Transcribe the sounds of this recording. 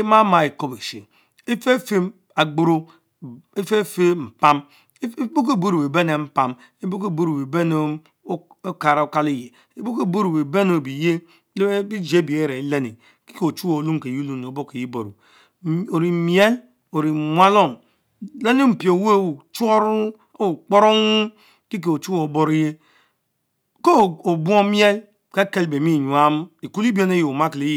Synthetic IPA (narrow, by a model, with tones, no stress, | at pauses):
e˦ma˦ma˨e˨ko˦be˨ʃe˨ | e˦fe˦fe˦ | a˨ɡ͡bo˦ɾo˦ | e˦fe˦fe˦m̩˨pa˦m˦ | bo˦k̬e˦˨bo˦ɾu˨be˨be˦ne˨m̩˦pa˦m | e˦bo˦k̬e˦˨bo˦ɾu˨e˨be˦no˦ | o˦ka˨ɾa˨o˦ka˦le˦je˨ | e˦bo˦ke˦bo˦ɾu˨be˨be˦no˨bi˨je˦ | le˦e˦bi˦d͡ʒe˦bi˨e˦ɾe˨˦le˦ni˨ | ki˦ke˨o˨t͡ʃu˦o˨lu˦mke˨ji˦lu˦n˨o˨bo˦ke˨ji˦bo˨ɾṵ˨ | o˨ɾi˨mi˦e˦l | o˨ɾi˨mʷ˦a˦lo˦˨m | le˦ne˦m̩˨pi˨o˨˦we˦˨t͡ʃo˦ɾu˦ | o˦u˨k͡po˦ɾo˦ŋ˦ | ki˦k̬e˨o˨t͡ʃu˦o˨˦bo˦ɾi˦je˦ | ko˦˨o˨bu˦o˦mje˦l | ke˦ke˦lbe˨mi˦˨ɲu˨a˦m˦i˨ku˦li˦bi˦e˦ne˦je˨o˨ma˦kle˦j